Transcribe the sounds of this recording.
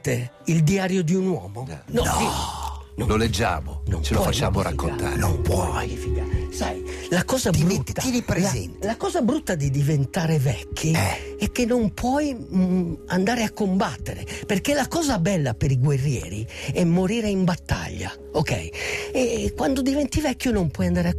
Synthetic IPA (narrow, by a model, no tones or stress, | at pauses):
t̪eild̪iaːɾjod̪iunwɔ̰ːmonɔfinõloled͡ʒːa̰ːmo̰nõ̰mt͡ʃelfat͡ʃːaːmoɾa̰kːoat̪a̰o̰mpwɔfiɡasajlakɔːzabɾut̪ːinipɾezɛ̰nt̪lakɔːzabɾut̪ːad̪id̪ivent̪aːɾevɛkʰːiɛkːenːompʰwɔj | and̪aːɾeakːombat̪ːeɾeperkelakɔːzabɛlːapeɾiɡwerːjɛ̰ːɾḭɛmːoɾiːɾeimbat̪ːa̰ʎːa̰ | okɛ̰jɛkwand̪od̪ivɛnt̪ivɛkːjonompwɔjand̪aːɾea